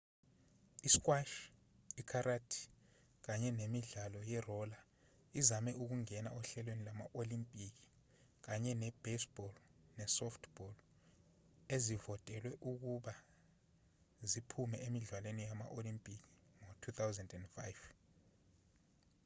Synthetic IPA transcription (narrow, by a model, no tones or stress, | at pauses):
iskʼwaʃ | ikʰaɾatʰi̥ | k̬aɲɛnemiɮalɔjɛrɔla | izamɛʔuk̬uŋɛna̰ʔɔɬɛlwenilama̰ʔolimpʼik̬ʼi̥ | k̬aɲɛnɛb̥esb̥ɔlnɛsɔftʰb̥ɔl | ezivɔtʼɛlwɛʔuk̬uɓa | zipʰumɛemiɮwalwenijama̰ʔolimpʼik̬ʼiŋotʰut̪ʰawzɛndɛndfajv